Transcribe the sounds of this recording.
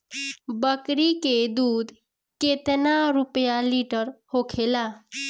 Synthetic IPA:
bəkɾiked̪uːd̪ | ket̪naɾupjaliʈəɾhokʰela

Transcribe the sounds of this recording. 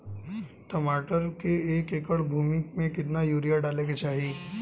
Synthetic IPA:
ʈəmaːʈəɾkeeːkeːkəɽbʱuːmɪkmẽkɪt̪najuːɾijaɖaːlẽket͡ʃaːɦi

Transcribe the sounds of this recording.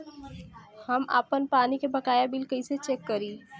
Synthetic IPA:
həma̰ːpənpaːnikebɐkaːjabɪlkəiset͡ʃeːkːəɾiː

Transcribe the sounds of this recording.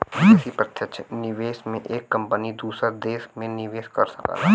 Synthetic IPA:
ɪsipɾət̪ʰjətt͡ʃʰnɪʋeːsmẽʔeːkːɐ̃mpənid̪uːsəɾd̪eːsmẽnɪʋeːskɐɾsɐka̰

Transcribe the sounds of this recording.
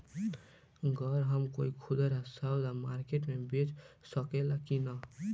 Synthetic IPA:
ɡɔɾɦəmkoikʰud̪əɾasawlamaɾkeʈmẽbet͡ʃsəkelakina

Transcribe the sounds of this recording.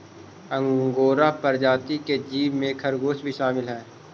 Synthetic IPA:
ə̃ŋɡoːɾapəɾd͡ʒaːt̪iked͡ʒiːʋmẽkʰɐɾɡoːʃbʱiʃaːmɪlɦɛː

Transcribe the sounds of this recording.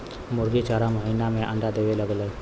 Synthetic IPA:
muɾɡit͡ʃaɾaməɦinamẽʔã̰nd̪ad̪eʋeləɡlə

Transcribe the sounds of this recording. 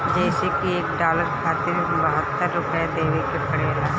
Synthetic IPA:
d͡ʒeːsekieːkɖaːləɾkʰaːt̪ɪɾ | bəɦət̪ːəɾːʊpəed̪eːʋekepəɽeːlaː

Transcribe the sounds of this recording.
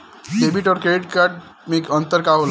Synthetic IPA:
deːbiʈɔɾkeːɖkɐʈ | mẽkə̃nt̪əɾkaɦol

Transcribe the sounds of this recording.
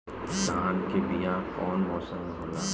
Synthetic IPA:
daːnkebijãkɔːnbɔːsamɐɦoːlaː

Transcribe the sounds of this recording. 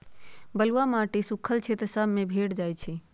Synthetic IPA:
bəluamaʈisukʰəlt͡ʃʰɛt̪əsəbʱmebʱeʈd͡ʒajt͡ʃʰi

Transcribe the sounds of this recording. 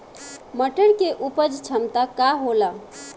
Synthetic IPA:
məʈəɽkeʔupəd͡ʒt͡ʃʰəmt̪akaɦola

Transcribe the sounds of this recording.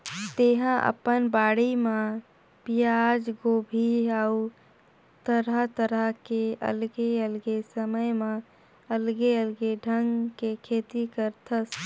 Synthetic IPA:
t̪eɦãʔə̰pənbaːɽimã | pijad͡ʒɡoːbʱiau | t̪əɾət̪əɾəkeə̰lɡeəlɡesəməjmẽ | əlɡeəlɡeɖʱəŋɡkekʰeːt̪ikəɾt̪ʰəs

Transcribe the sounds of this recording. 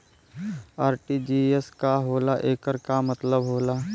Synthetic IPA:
aːɾʈiːd͡ʒiːeskaɦoːlaʔeːkəɾkamət̪ləbɦoːlaː

